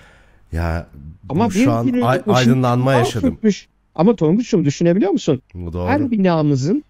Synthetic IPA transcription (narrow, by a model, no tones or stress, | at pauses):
ja̰amabianiliaoad̪ɯnlˠanmajaʃad̪yɯm̚myʃ | a̰mat̪ʰoumbut͡ʃʰumd̪yʃyne̞bilʲijo̞musunud̪oːænbinaːmɯzɯn